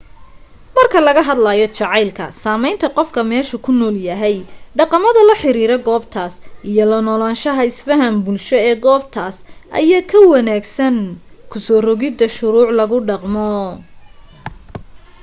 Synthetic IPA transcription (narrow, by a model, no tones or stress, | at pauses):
mɐrkʰɐlɐɣɐɦɐd̪lɐjɔt͡ʃɑʕɑjlkʰɐ̰saːmɛjnt̪ʰɐqɔfkʰɐmɛːʃʊkʰʊnɔːljɐɦɛjɖɑqɑmɐðɐlɐħɪɾiːɾɛɡɔːbt̪ʰaːsʔijɔlɐnɔlaːnʃɐɦɐɪsfɐɦɐmbʊlʃɔɛːɡɔːb̚t̪ʰaːsʔɐ̰jaːkʰɐwɑnaːɡsɐn | kʰʊsɔːrɔɣɪd̪ɐʃʊɾuːʕlɐɣʊɖɑqmɔ